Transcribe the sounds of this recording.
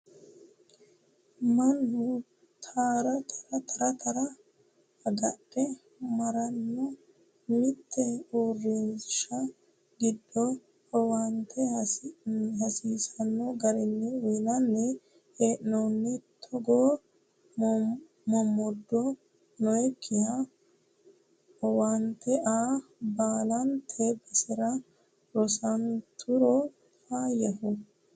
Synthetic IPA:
mɐnːʊ | t̪ʰaːɾɐt̪ʰɐɾɐt̪ʰɐɾɐt̪ʰɐɾɐ | ɐɡɐɗːɛ | mɐɾɐnːɔ | nɪt̪ʰːɛuːrːinʃɐ | ɡɪd̪ːɔ | hɔwɐnt̪ʰɛ | ɦɐsiːsɐnːɔɡɐɾɪnːɛwinɐnːɛ | heːʔnonːɪt̪ʰɔɡoː | mɔmːɔd̪ːɔ | nɔjɛkʰːɪhɐ | ɔwant̪ɛʔaːbaːlɐnt̪ʰeːbɐsɪɾɐ | ɾɔsɐnt̪ʰʊɾɔ | faːjɐfʊ

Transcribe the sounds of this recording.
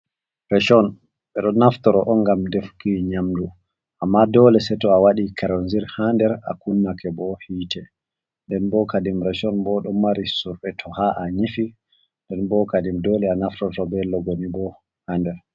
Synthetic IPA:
ɾɛʃɔn | ɓɛɗɔnaftɔɾɔʔɔŋɡamdefkiɲamdu | ʔamːadɔːlɛsɛtɔawaɗikʰaɾonziɾhandɛɾa̰kunːakɛbɔhiːtɛ | ndɛnbɔkadimɾɛʃɔnbɔɗɔmaɾisuɾɓɛtʰɔhaʔaɲifi | ndɛnbɔkadimdɔlɛanaftɔɾtɔbɛlɔɡonibɔ | handɛɾ

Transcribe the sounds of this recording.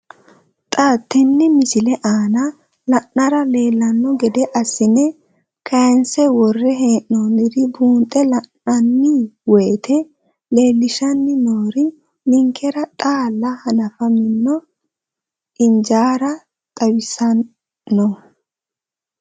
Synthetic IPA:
t̪ʼaːt̪ːɛnːɪmɪsɪlɛʔaːnɐ | lɐʔɐɾɐle̞ːlːɐnːɔɡɛd̪ɛʔɐsːɪnɛ | kʰɐjɐnsɛwɔrːɛɦeːʔnonɪɾɪbuːnt̪ʼɛlɐnːɐnːɪweːt̪ʰɛ | le̞ːlːɪʃɐnːɪnoːɾɪ | nɪŋkʰːɛɾɐt̪ʼaːlːɐhɐnɐfɐmɪnːɔ | ʔɪnd͡ʒaːɾɐ | t̪ʼɐwɪsɐn | nːɔ

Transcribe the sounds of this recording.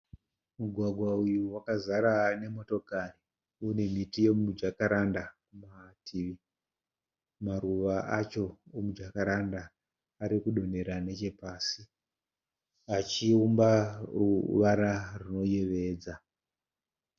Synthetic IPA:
muɡʱwaɡʱwaujuwakazaɾane̞mo̞to̞kari | une̞mitije̞mud͡ʒakaɾandakumatʰiʋi | maɾuʋaat͡ʃo̞omud͡ʒakaɾandaː | ɾikuɗo̞ne̞ɾane̞t͡ʃe̞paːsi | at͡ʃiumbaruʋaɾaruno̞je̞ʋe̞ːd͡za

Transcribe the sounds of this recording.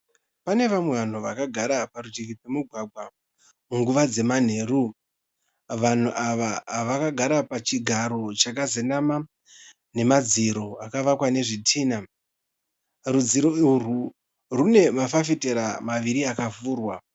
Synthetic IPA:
pane̞ʋamwe̞ʋan̤uʋakaɡʱaɾapaɾutikid͡zwemuɡʱwaɡʱwa | muŋɡuʋad͡ze̞man̤e̞ːɾu | ʋan̤uʔaʋaʋakaɡʱaɾapat͡ʃiɡʱaɾo̞t͡ʃakazenama | ne̞mad͡ziɾo̞akaʋakwane̞ʐitʰiːna | rud͡ziɾo̞uru | rune̞mafafiteɾamaʋiɾiakafuːrwa

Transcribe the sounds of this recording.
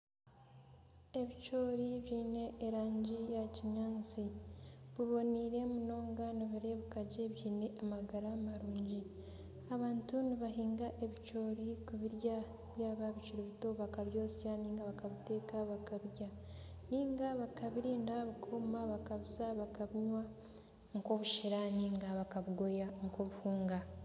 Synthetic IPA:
e̞βit͡ʃo̞ːɾiβjiːne̞ːɾaːɲɟijaciɲaːnt͡siβuβo̞niɾe̞muno̞ːŋɡaniβiɾe̞βukaɟe̞βjiːne̞ʔamaɡaɾamaɾuːɲɟi | aβaːntuniβaɦiːŋɡaʔe̞βit͡ʃo̞ːɾikuβiɾja | βjaːβaβit͡ʃiɾeβito̞βakaβjo̞ːsi̥caniːŋɡaβakaβite̞ːkaβakaβɾja | niːŋɡaβakaβiɾiːndaβukʰomaβakaβisaβakaβiɲwa | ŋko̞βuʃiɾaniːŋɡaβakaβuɡo̞jaŋkoβuhuːŋɡa

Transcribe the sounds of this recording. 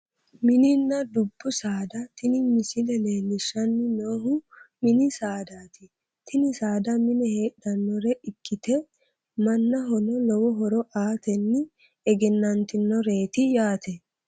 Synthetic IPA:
mɪnɪnːɐd̪ʊbːʊsaːd̪ɐt̪ɪnɪmɪsɪlɛle̞ːlːɪʃɐnːɪnoːɦʊmɪnɪsaːd̪aːt̪ɪ | t̪ʰɪnɪsaːd̪ɐmɪnɛhe̞ːɗɐnːɔɾɛʔɪkːɪt̪ɛ | mɐnːɐɦɔnɔlɔwɔɦɔɾɔʔaːt̪ɛnːɪ | ɛɡɛnːɐnt̪ɪnːɔɾe̞ːt̪ɪjaːt̪ɛ

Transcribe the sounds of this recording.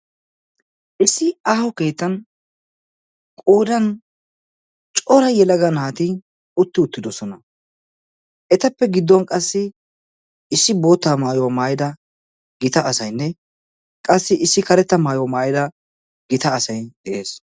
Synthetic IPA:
ʔɪsːɪaːhɔke̞ːt̪ːɐn | kʼoːd̪ɐn | t͡ʃʼɔɾɐjɛlɐɡɐnaːt̪ɪ | ʊt̪ːɪʊt̪ːɪd̪ɔsɔnɐ | ʔɛt̪ɐpːɛɡɪd̪ːɔnkʼɐsːɪ | ɪsːɪbo̞ːt̪ːaːmaːjɔwɐmaːjɪd̪ɐ | ɡɪt̪ɐʔːsɐjnːɛ | kʼɐsːɪʔɪsːɪkɐɾɛt̪ːɐmaːjɔwɐmaːjɪd̪ɐ | ɡɪt̪ɐːsɐjd̪̥ɛʔe̞ːs

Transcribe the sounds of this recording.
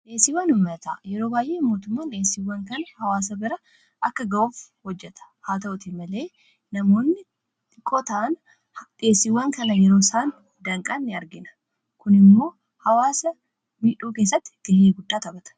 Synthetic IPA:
ᶑe̞ːsːɪwːɐnʊmːɐt̪ɐ̰jɛɾo̞ːbaːjʔe̞ːmːo̞ːt̪ʊmːaːnᶑeːsːɪwːɐŋkɐnɐhɐwaːs̬ɐbɪɾɐ | ʔɐkːɐɡɐʔuːfhɔd͡ʒːɛt̪ɐ̥haːt̪ɐʔʊt̪imɐle̞ː | nɐmo̞ːnːɪ | ᶑɪkʰʼːoːt̪ɐʔɐn | ᶑɪeːsːɪwːɐŋkɐnɐjɛɾo̞ːsaːn | d̪ɐŋkʼanːɪɐɾɡɪnɐ̥ | kʊnɪmːo̞ː | hɐwaːsɐ | miːᶑuːkeːs̬ːɐt̪ːɪ̥ɡ̥ɪnːeːɡʊd̪ːaːt̪ɐbɐt̪ɐ̥

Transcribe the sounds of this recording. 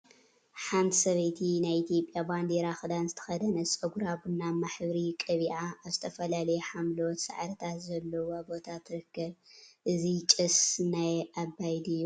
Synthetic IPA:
ħant̪ʰi̥sɐβɐjt̪ʰinajit̪ʰijo̞pʼjaband̪eɾaxɨd̪anzɨt̪ʰɐ̥xɐd̪ɐnɐsʼɐɡuɾabɨnːamaħbɨɾikʼɐβiʕaːzɨt̪ʰɐfɐlalɐjɛħamlowot̪sa̰ʕɾɨt̪ʰat̪zɐlːɐwobo̞t̪ʰat̪ʰɨɾɨkːɐβʔɨzit͡ʃʼɨsnajabːajd̪ɨjːu

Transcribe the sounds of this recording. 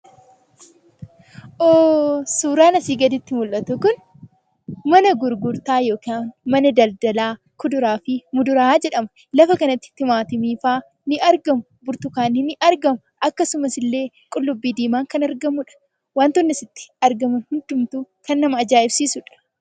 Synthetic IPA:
ʔoːsuːɾaːnɐsiːɡɐd̪ɪt̪ːɪmʊlʔɐt̪ʊkʊn | mɐnɐɡʊɾɡʊɾt̪aːjo̞ːkːnmɐnɐd̪ɐld̪ɐlaː | kʊd̪ʊɾaːfɪmʊd̪ʊɾad͡ʒɛᶑɐmɐ̥ | lɐfɐkɐnɐt̪ːɪ̥t̪ːɪmaːt̪ɪmiːfaː | nɪʔɐɾɡɐmʊbʊɾt̪ʊkaːnːɪnɪʔɐɾɡɐmɐʔɐkːɐsʊmɐsɪlːe̞ː | kʼʊlːʊbːiːd̪iːmaːŋkɐnɐɾɡɐmʊᶑɐ̥ | waːnt̪ʊnːɪsɪt̪ːɪ̥ɐɾɡɐmɐnhʊnd̪ʊmt̪uːkɐnːɐmɐːd͡ʒaːɪbsiːsʊᶑɐ̥

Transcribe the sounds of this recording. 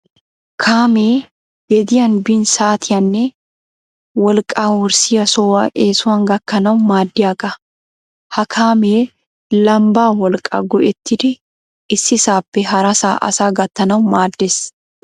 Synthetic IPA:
kʰaːmeː | ɡɛd̪ɪjɐnbɪnsaːt̪ʰɪjɐnːe | wɐlkʼaːwɔɾsɪjɐsɔːwɐʔeːsʊwɐŋɡɐkːɐnɐʊmaːd̪ːɪjakʼɐ | hɐkʰaːmeː | lɐmbaːwɐlkʼa̰ːɡɔʔɛt̪ːɪd̪ɛ | ɪsːɪsaːpːɛɦɐɾɐsa̰ːʔɐ̰saːɡɐt̪ːɐnɐwʊmaːd̪ːɛs

